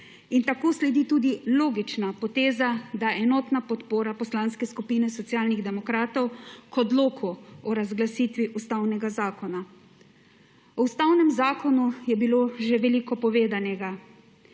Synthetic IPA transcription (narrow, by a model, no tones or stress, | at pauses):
int̪akoːslɛd̪it̪uːd̪iloːɡit͡ʃnapɔt̪eːzad̪aɛnɔːt̪napɔt̪poːɾapɔslaːnskɛskupiːnɛsɔt̪sjaːlniɣd̪ɛmɔkɾaːt̪ɔwkɔd̪loːkʰuɔɾazɡlasiːt̪ʋiʔust̪awnɛɡazaːkɔna | ɔust̪awnɛmzaːkɔnujɛbiloːʒeʋɛliːkɔpɔʋeːd̪anɛɡa